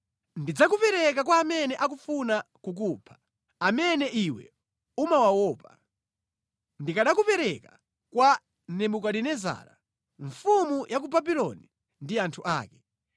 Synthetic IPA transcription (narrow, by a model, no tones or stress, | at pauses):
ndid͡zak̬upɛɾɛk̬akwaːmɛnɛʔak̬ufunakuk̬upʰḁ | amɛnɛʔiwɛ̰ | umawawɔːpa̰ | ndikaɗakupɛɾɛka | kwa | nɛmukaɗinɛza̰ːɾa̰ | ɱfumujʔak̬ubabilɔ̰ni | ndiantʰuʔa̰ːkɛ̥